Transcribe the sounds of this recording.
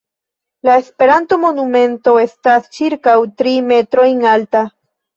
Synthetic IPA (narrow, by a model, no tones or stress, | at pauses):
lae̞spe̞ɾanto̞mo̞numẽ̞nto̞e̞stast͡ʃiɾkawtɾime̞tɾo̞jŋalta